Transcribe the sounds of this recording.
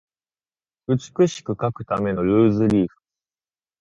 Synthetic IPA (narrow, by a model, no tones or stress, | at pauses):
ɯ̟t͡sɨ̥kɯ̟ɕi̥kɯ̟kakɯ̟̥t̪ame̞no̞ɾɯ̟ːzɨɾʲiːɸɯ̟̥